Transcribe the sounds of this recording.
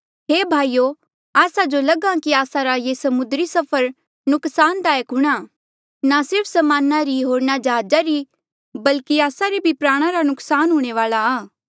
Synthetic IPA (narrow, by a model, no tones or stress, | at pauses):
ɦeːbʱaːijo | aːsad͡ʒolɐɡãkiaːsãɾajesɐmʊd̪ɾisɐpʰəɾ | nʊksaːnt̪aːjəkɦʊɽ̃a | nasɪɾpʰsɐmaːnaɾiɦoːɾnad͡ʒɐɦaːd͡ʒaɾi | bɐlkiaːsaɾebʱipɾaːɽ̃ãɾanʊksaːnɦʊːɽ̃eʋaːlaː